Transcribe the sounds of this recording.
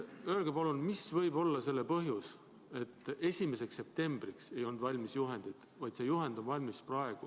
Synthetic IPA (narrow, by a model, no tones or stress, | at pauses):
ø̞ːlɡ̥epɑlunmisvɤjbo̞lːɑse̞lːepɤɦjus | e̞t̪ːˑe̞sʲime̞se̞ksːe̞p̚t̪e̞mb̥rikse̞jo̞nd̪vɑlʲmisjuɦe̞nd̪̥id̪̥ | vɑjd̪̥se̞juɦend̪̥o̞nvɑlʲmisprɑe̞ɡ̥u